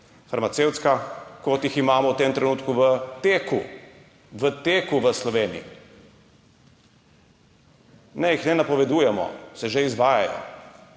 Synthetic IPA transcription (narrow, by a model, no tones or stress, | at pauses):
faɾmat̪seːwt̪skakɔt̪jiximaːmɔwt̪eːmt̪ɾɛnuːt̪kuʋət̪eːku | ʋət̪eːkuʋəslɔʋeːnḭḭ | nɛjixnɛnapɔʋɛd̪uːjɛmɔ̰sɛʒeizʋaːjajɔ̰